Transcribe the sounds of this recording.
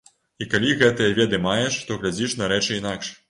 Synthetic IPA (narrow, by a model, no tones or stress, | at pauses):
ikalʲiɣɛt̪ɨjɐvʲɛd̪ɨmajɛʂt̪ɔɣlʲad͡zʲiʂnɐɾɛt͡ʂɨinakʂ